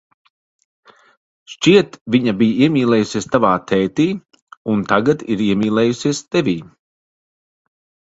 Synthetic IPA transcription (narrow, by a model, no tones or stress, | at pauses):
ʃt͡ʃʲiɛt̪vʲiɲabijiɛmʲiːlˠɛːjusiɛst̪avaːt̪ʰɛːt̪iː | unt̪aɡat̪iɾiɛmʲiːlˠɛːjusiɛst̪ɛvʲiː